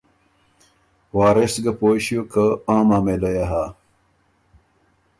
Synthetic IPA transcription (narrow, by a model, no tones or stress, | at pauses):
waːɾesɡɐpoːɕijokɐãːmaːmelɐjaɦa